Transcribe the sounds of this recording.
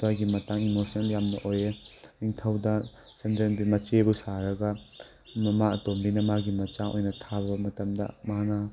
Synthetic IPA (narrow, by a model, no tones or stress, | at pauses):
tuajɡimɐtaŋimosneljamnɐʔojeniŋtʰɐwdɐ | sɐndenbimɐt͡ʃebusaɾɐɡɐ | ɐmaɐtombinɐmaɡimɐt͡ʃaʔo̰jnɐtʰabɐbɐmɐtɐmdɐ̰mana